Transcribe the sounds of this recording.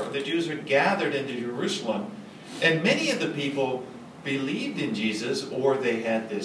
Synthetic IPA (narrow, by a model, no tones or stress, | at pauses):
ðɨd͡ʒʉzwə˞ɡæðə˞ɾɪ̃ntʉd͡ʒə˞ʉsl̩ˠə̃m | ʔɨ̃nmɛniʌvðɨpipl̩ˠ | b̥ɨlivdɨ̃nd͡ʒizɨsə˞ðeɪɨd̪̚ðɪ